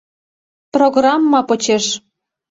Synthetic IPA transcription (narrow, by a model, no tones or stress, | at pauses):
proɣrɑmːɑpɤ̆t͡ɕeʃ